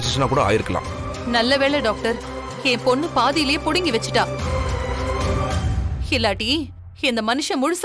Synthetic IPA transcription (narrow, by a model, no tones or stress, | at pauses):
ɪsɪʂɐnaːkuːɽɐa̰ːjɪɾɯkːɐlã̰ː | nɐlːɐʋeːɭɛɖaːk̚ʈɐɾ | ɛ̃ːpɔnːɯpaːðɪjɪlɐjeːpʊɽɪŋɡiʋɛt͡ʃːɯ̥ʈːãː | ɪlːaːʈːi | ɛnd̪ɐmɐnɯʂɐ̃mʊɻʊs